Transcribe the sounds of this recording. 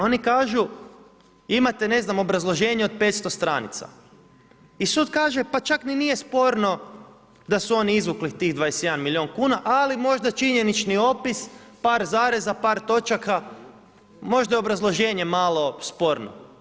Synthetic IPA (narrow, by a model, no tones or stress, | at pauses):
o̞nikaːʒu | imat̪ene̞znamo̞bɾazlˠo̞ʒe̞ːɲeod̪̚pe̞t̪st̪o̞st̪ɾaːnḭt̪sa̰ | isuːd̪kaːʒe̞pat͡ʃakninijespo̞ɾno̞ | d̪asuo̞niizʋuklixt̪iɣd̪ʋajesjed̪anmilʲio̞nkuːnaʔalimo̞ʒd̪at͡ʃiɲe̞nit͡ʃnio̞pispaːɾzaːɾezapaːɾt̪o̞t͡ʃaka | mo̞ʒd̪ajeo̞bɾazlˠo̞ʒe̞ːɲe̞malˠo̞spo̞ɾno̰